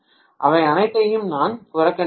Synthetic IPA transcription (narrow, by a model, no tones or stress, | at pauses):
ʔɐʋɐɪɐnɐɪt̪ːɐjɯmnaːnpʊɾɐkːɐn